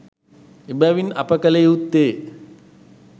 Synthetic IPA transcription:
ibaʋinɐ̰pəkɐlejut̪ːeː

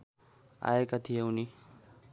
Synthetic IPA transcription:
a̰ekat̪ʰijewni

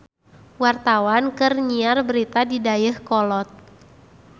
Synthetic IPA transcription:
wart̪awankɨrɲiarbəɾit̪adidajəhkɔlɔt̪̚

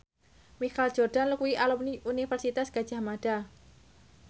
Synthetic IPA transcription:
mixald͡ʒ̥ɔrd̥anlukuiʔalɔunifɛrsit̪asɡ̥ad̥ʒ̥a̤hmaɖ̥a

